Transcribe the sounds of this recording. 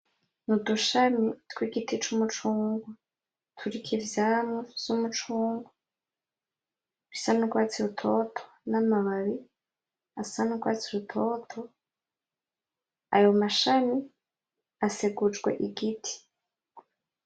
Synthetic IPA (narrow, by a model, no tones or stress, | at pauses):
nuduʃamitkwiɡitit͡ʃumut͡ʃuːŋɡwa | tʰuɾikʰivjaːmŋoz̥umut͡ʃuːŋɡwa | isanuɡwaːt͡siɾutʰo̞tʰo̥namaβaβi | asanuɡwaːt͡siɾutʰoːtʰo̞ | a̰jo̞maʃami | aseɡud͡ʒɡwe̞̰ʔiɡitʰi̥